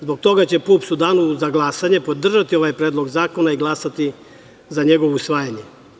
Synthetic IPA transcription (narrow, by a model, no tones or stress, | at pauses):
zbo̞k̚t̪o̞ɡat͡ɕe̞puːpsud̪aːnuzaɡlˠasaɲe̞pod̪r̩ʒat̪io̞ʋajpɾeːd̪lˠo̞ɡzaːko̞naiɡlˠasat̪i | zaɲe̞ɡoʋusʋaːjaɲe